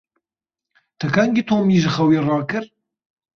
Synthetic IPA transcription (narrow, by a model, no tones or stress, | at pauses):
t̪ʰɐkaŋɡit̪ʰoːmiːʒɨxɐwiːrɑːkɨɾ